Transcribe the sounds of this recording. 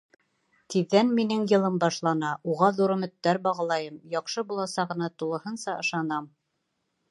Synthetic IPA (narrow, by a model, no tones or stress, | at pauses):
t̪iðːænminɘŋjɤ̆lˠɤmbɑʃlˠɑnɑuʁɑðuɾɵ̆mɘ̆t̪ːæɾbɑʁɑlˠɑjɤmjɑqʃɤbulˠɑsɑʁɤ̆nɑt̪ulˠɤ̆hɤnsɑʔɤ̆ʃɑnɑm